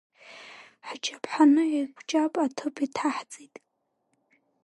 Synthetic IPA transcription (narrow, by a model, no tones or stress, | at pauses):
ħt͡ʃʰʼapʰħanɨekʷʰʼt͡ʃʼapʼatʰɨpʰitʰaħt͡sʼitʼ